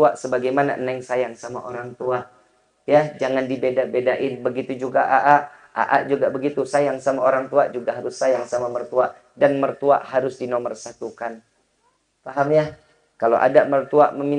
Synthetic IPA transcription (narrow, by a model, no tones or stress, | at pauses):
uaʔsəbaɡajmana̰ʔənɛŋsajaŋsama̰ʔoɾaŋt̪uaʔ | jad͡ʒaŋandibedabedaʔɪnbəɡit̪ud͡ʒuɡaʔaʔaʔ | a̰ʔaʔd͡ʒuɡabəɡit̪usajaŋsamaoɾaŋt̪uad͡ʒuɡaʔɦaɾʊsːajaŋsamamərt̪uaʔ | danmərt̪ua̰ʔhaɾʊsdinomərsat̪ukan | faɦamɲa | kalo̰ʔa̰damərt̪ua̰məmi